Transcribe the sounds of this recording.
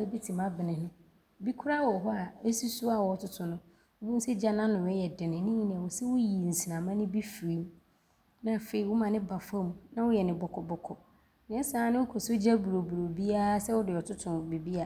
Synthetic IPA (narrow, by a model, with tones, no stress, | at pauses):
e˦bi˦tʰĩ˨mã˦bɪ˨nɪ̃˨nɪ̃˨ | bi˦kʰʊ˦ɾa˦wɔ˨ɦɔ˦a˨e˦si˦su˦a˨wɔ˨tʰʊ˦tʰʊ̃˨nʊ̃˦ | ʊ˦bĩ˦n̩˦sɛ˦d͡ʑa˦nã˦nʊ̃˨wɛ˦jɛ˨dɪ˨nɪ̃˨nɪ̃˦ɲi˦nɪ̃˨a˨wʊ˨sɛ˦wʊ˦ji˨n̩˨si˨nã˨mã˦nɪ̃˦bi˦fi˨ɾi˦m˦ | nã˦˨fe˨i˨wʊ˦mã˨nɪ̃˦ba˨fa˦mũ˨nã˦wʊ˦jɛ˨nɪ̃˨bɔ˨kʰɔ˨bɔ˨kʰɔ˨ | nɪ̃˨˦ɛ˦saː˨˦nɪ̃˦wʊ˦kʰɔ˨so˦d͡ʑa˦bu˨ɾo˨bu˨o˨bi˦a˦sɛ˦wʊ˦dɪ˨ɔ˨tʰʊ˦tʰʊ̃˨bi˨bi˦a˨